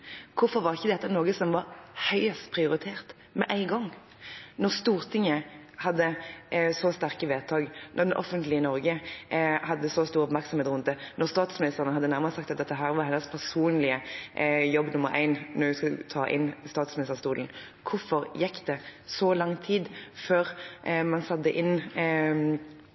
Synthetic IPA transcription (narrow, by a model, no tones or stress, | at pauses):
kʰʊfɔɾʋɑʁɪçːəd̪ɛt̪ːənoːɡəsɔmʋɑɾhœʏst̪pʰʁɪʊɾɪt̪ʰeːʁt̪ | mɛ̰ʔæɪɡɔŋ | nɔʁst̪uːʁt̪ʰɪŋːəhɑd̪ːəsɔst̪æʁkəʋeːt̪ʰɑːɡnʔɔʁd̪ɛʔɔfənt̪lɪənɔɾɡə | hɑd̪ːəsɔst̪uːɾɔpmæɾksɔmeːt̪ʁʊnənɔʁst̪ɑːt̪smɪnɪst̪əʁənəhɑd̪ːənæʁməʁsɑkt̪ɑt̪̚ɛt̪ːɛɦæːɾʋɑɾhɛnəspʰæʁsuːnlɪə | jɔbːnʊməɾʔæ̰ɪnnːɔjʉskɑlt̪ʰɑːʔɪ̰nst̪ɑːt̪smɪnɪst̪ʁst̪uːln̩ | kʰʊɾfɔʁjɛkːd̪ɛsɔlɑŋt̪ʰiːd̪føːɾmɑnsɑd̪ːəʔɪn